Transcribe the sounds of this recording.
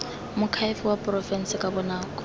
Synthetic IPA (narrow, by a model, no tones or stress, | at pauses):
mʊkʰaifʊwapʼrɔfɛn̩sɪkʼabɔnaːkʼɔ̥